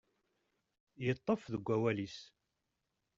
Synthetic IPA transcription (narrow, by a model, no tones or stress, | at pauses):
jət̪ˤːəfðəɡʷːæwælis